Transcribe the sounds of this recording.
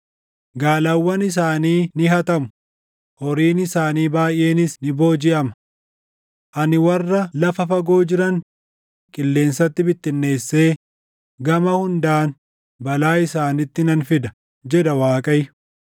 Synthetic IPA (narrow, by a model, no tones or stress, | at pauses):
ɡaːlɐwːɐnɪs̬aːniːnɪɦɐt̪ɐmʊ̥ | hɔɾiːnɪsaːniːbaːjʔːe̞ːnɪsnɪbo̞ːd͡ʒɪʔɐmɐ | ʔɐnɪwɐrːɐlɐfɐfɐɡo̞ːd͡ʒɪɾɐn | kʼɪlːe̞ːnsɐt̪ːɪbɪt̪ːɪnːe̞ːsːe̞ː | ɡɐmɐhʊnd̪aːn | bɐlaːɪsaːnɪt̪ːɪnɐnfɪd̪ɐ | d͡ʒɛd̪ɐwaːkʼɐj